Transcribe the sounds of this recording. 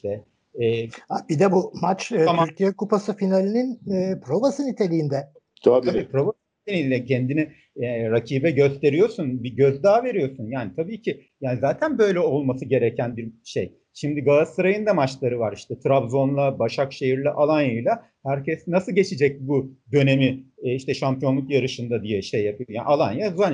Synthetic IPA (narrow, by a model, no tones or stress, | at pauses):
iʃt̪ʰɛː | abid̪ɛbumat͡ʃːyɾcʰijɛkupasɯfinalʲininːpɾovasɯnit̪ʰe̞lʲijind̪ɛ | d̪ʰabiːpɾo̞vasɯnit̪ʰelʲijind̪ʲɛcʰɛnd̪ini | ɾacʰiːbɛɟø̞st̪ʰe̞ɾijo̞ɾsunbiɟøzd̪aːve̞ɾijo̞sunjaːnit̪ʰabiːcʰɪjaːnizaːt̪ʰænbø̞jlʲɛo̞lˠmasɯɟe̞ɾecʰænbiɾʃḛj | ʃimd̪iɡaːsɯɾajɯnd̪amat͡ʃlˠaɾɯvaɾiʃt̪ʰɛt̪ʰɾabzo̞nlˠabaʃakʃe̞jiɾlʲɛʔalˠanjɯjlˠa | hæɾcʰɛsnasɯlˠɟe̞t͡ʃʰid͡ʒɛc̚bud̪ø̞ne̞miiʃt̪ʰɛʃampʰijo̞nlˠukjaɾɯʃɯnd̪ad̪ijɛʃe̞jːapʰɯjojaːnʔalˠanjazuan